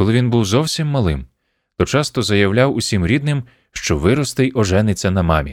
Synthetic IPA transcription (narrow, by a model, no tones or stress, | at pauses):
kɔlˠɪʋʲinbuwzɔwsʲimːɐlˠɪm | t̪ɔt͡ʃɑst̪ɔzɐjɐwlʲawʊsʲimɾʲid̪̚nɪm | ʃt͡ʃɔʋɪɾɔst̪ɪjʔɔʒɛnɪt͡sʲːɐnɐmɑmʲḭ